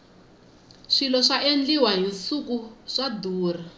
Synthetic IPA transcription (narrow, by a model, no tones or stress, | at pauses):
ʂilɔʂaʔend͡ɮiwaɦinsukuʂaduːr̤a